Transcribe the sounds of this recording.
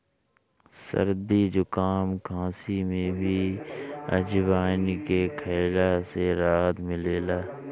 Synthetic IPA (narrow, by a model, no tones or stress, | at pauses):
sə̰ɾd̪id͡ʒʊkaːmkãːsimẽbʱi | ɐ̰d͡ʒʋaːnkekʰeːlaseɾaːd̪mɪleːlaː